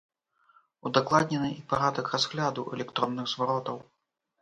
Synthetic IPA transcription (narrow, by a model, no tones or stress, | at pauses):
ud̪aklˠad̪ʲnʲɛnɨʔipaɾad̪ɐkrazɣlʲad̪uʔɛ̰lʲɛkt̪ɾɔnːɨɣzvaɾɔt̪ɐw